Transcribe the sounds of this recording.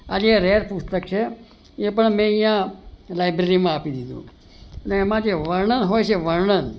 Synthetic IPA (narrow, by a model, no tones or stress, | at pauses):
ad͡ʒeɾeɾpust̪ək̚t͡ʃʰe | epəɳmẽĩjãlajbɾeɾimãapid̪id̪ṵ̃ | əneːmãd͡ʒeʋəɾɳənɦojt͡ʃʰeʋəɾɳən